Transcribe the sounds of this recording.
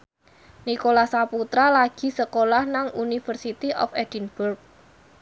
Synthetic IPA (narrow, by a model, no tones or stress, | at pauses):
nikolahsaput̪ɾalaɡ̥i̤səkolahnaŋunifərsit̪iʔɔ̰fɛdinb̥urk̚